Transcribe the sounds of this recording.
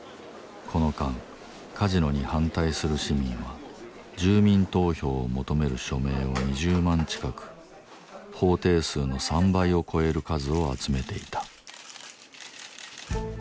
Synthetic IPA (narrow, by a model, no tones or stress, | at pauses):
kʰo̞no̞kãŋ | kʰaʑino̞ɲ̟ihãnt̪aisɨɾɯ̟ɕimʲĩɰ̃βa | d͡ʑɨːmʲĩnt̪o̞ːço̞ːomo̞t̪o̞me̞ɾɯ̟ɕo̞me̞ːo̞ɲ̟iʑɨːmãɲ̟t͡ɕi̥kakɯ̥ | ho̞ːt̪e̞ːsɨːno̞sãmbaio̞kʰo̞e̞ɾɯ̟kazɨo̞a̰t͡sɨme̞t̪e̞it̪ḁ